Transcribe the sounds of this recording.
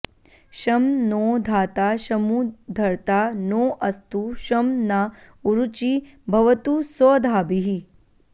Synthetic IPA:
ʃɐmnoːd̪ʱaːt̪aːʃɐmuːd̪ʱɐɾt̪aːnoːʔɐst̪uʃɐmna | uɾut͡ʃibʱɐʋɐt̪usɔːd̪ʱaːbiɦi

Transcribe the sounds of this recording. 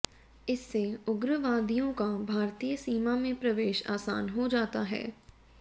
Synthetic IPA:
ɪsːeʊɡɾəʋãːd̪ijõkabʱaːɾt̪ijəsiːmamẽpɾɐʋeːʃa̰ːsa̰ːnɦod͡ʒaːt̪aɦɛ̰ː

